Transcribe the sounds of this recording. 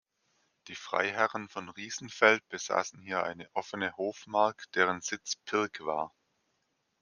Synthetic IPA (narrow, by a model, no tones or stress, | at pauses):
d̥iːfʁ̥a̰ɪɦɛʁənfɔnʁiːzn̩fɛlt̚b̥əz̥a̰ːsn̩hiːɐʔaɪnəʔɔfənəhoːfmaɐkd̥eːʁ̞ənz̥ɪt͡spʰɪɐkv̥a̰ːɐ